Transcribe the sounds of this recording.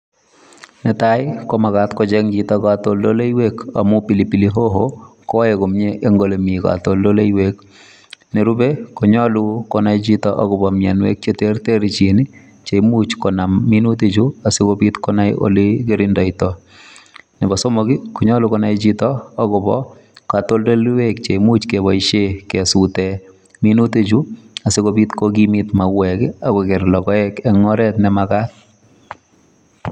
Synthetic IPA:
nɛtajkomakatkɔt͡ʃɛŋd͡ʒitɔkatoldolejweka̰mupilipiliɦoɦokɔjekomɲeʔeŋɡolemika̰toldolejwek | neɾubekɔɲɔlukɔnajt͡ʃitɔʔakʊbɔmjanwek̚t͡ʃeterteɾit͡ʃini | t͡ʃeimut͡ʃkɔnamːinutit͡ʃuasikopitkɔnajo̰likeɾindɔitɔ | nɪbɔsomokikuɲɔlukɔnajt͡ʃitɔːkʊbɔ̰ | katoldelwek̚t͡ʃeimut͡ʃkeβɔiʃekɛsutɛ | minutet͡ʃuasekopitkok̬imitmawɛkɪakokeɾlɔkɔɛkɛŋɔɾɛtnɛmakat̚

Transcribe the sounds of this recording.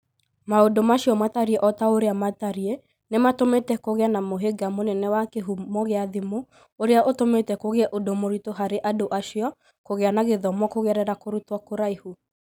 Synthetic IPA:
maodomaɕijɔmataɾiɛʔɔtaoɾeamataɾiɛ | nematometɛkoɣeanamoɦeɡamonɛnɛwakeɦumɔɣeaðimo | oɾeaʔotometɛkoɣɛʔodomoɾitoɦaɾeʔadoʔaʃjɔ | koɣeanaɣeðɔmwɔkoɣɛɾɛɾakoɾutwɔkoɾaihu

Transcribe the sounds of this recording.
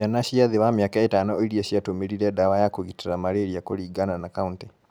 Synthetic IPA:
anaʃiaðiβamjakaetanooiɾiaʃiatomiɾiɾɛdawajakoɣitiɾamaɾeɾiakoɾiːɡananakaunti

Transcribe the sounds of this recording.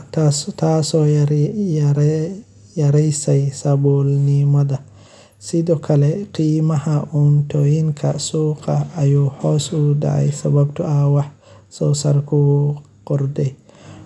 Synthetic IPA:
tasɔ | ɾ | jaɾɛjsajsabɔlnimad̪a | sidɔkʰalɛqiːmahaʔuntojinkʰasuqaːjuhɔsuda̰ʕa̰jsabab̚tuʔawaħ | sɔsaɾku | qɔɾdɛj

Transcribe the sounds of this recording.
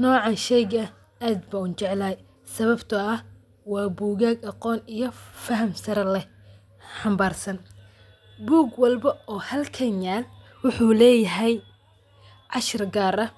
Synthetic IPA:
nɔːʕɑʃɛjɡɐ | aːd̪̚bɐʊnt͡ʃɛʕlaːj | sɐβɐbt̪ʰɐɐh | wɑːbuːɣaːɡɑqɔːnijɞfɐɦɐmsɐɾɐlɛ | ħɑmbaːrsɐn | buːɡwɐlbɐɔːhɐlkʰɐnjaːl | wʊħuːlɛːjɐɦɛj | ʕɑʃɪrɡaːɾɐ

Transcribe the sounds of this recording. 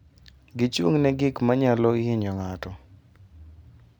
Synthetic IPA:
ɡɪt͡ʃwoŋnɛɡɪkmaɲalɔɪɪɲɔŋatɔ

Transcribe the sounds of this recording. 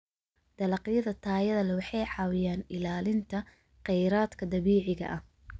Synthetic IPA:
d̪̥ɐlɑqjɐðɐt̪ʰaːjɐðɐlɐwɑħɑjʕɑːwɪjaːnɪlaːlɪnt̪ʰɐ | qɛjɾaːd̪kʰɐd̪ɐβiːʕɪɣɐ̰ʔɐh

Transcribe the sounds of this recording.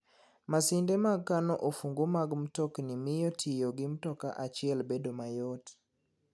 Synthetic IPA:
masɪndɛmaɡkːanɔʔofuŋɡomaɡm̩tɔknimɪjɔtʰɪjɔɡɪm̩tɔka̰ʔat͡ʃɪɛlbedomajɔt

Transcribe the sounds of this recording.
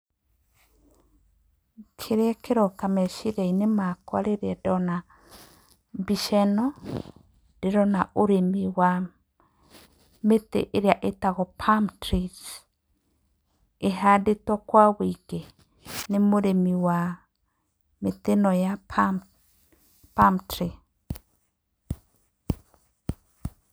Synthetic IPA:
kʰeɾeɛkeɾɔkamɛʃiɾeinemakwaɾeɾɛdɔna | biʃɛnɔ | d̥eɾɔnaoɾemiwa | metḛʔeɾjaʔetaɣɔpʰamtɾis | eɦadetɔkwawiɡe | nemoɾemiwa | metenɔja | pamtɾi

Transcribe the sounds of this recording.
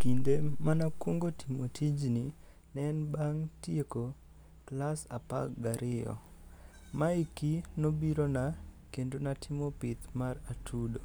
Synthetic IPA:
kindemanakwoŋɡotʰimotʰid͡ʒni | nɛnbaŋtjeko | klasapa̰kɡaɾʔɪɔ̰ | maikinobiɾonakendonatʰimopit̪maratʰudo

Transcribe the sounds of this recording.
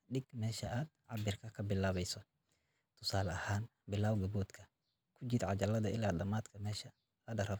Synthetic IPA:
ɖɪɡmɛːʃɐʔaːd̪̚ʕɑbɪrkʰɐkʰɐbɪlːaːβɛjsɔ | t̪ʰʊsaːlɐhaːn | bɪlaːwɡɐbuːd̪kʰɐ̥ | kʰʊd͡ʒɪd̪ʕɑd͡ʒɐlɐðɐɪ̰laːd̪ɐmaːd̪kʰɐmɛːʃɐ | lɐɖɐɾɐ

